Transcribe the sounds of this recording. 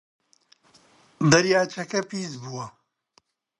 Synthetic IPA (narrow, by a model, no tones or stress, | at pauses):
d̪ɐɾjaːt͡ʃʰɐkɐpiːzbuwɐ